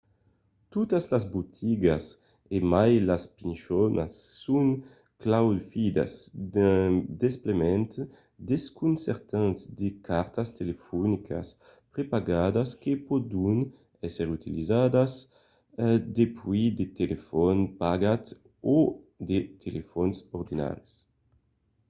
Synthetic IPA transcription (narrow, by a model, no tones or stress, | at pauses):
t̪ut̪aslazbut̪ʰiɡas | emajlaspinʃɔnʔa̰sːuŋ | klawdfid̪a̰s | d̪esplemɛnt̪ | d̪eskunsɛɾt̪ansd̪ekʰaɾt̪ast̪elefɔnikʰa̰s | pɾepaɡad̪askepɔd̪un | ɛsɛɾut̪ilizad̪az | d̪epwid̪et̪elefɔnpaɡat̪ | o | d̪et̪ʰelʔefɔnsɔɾd̪ina̰ls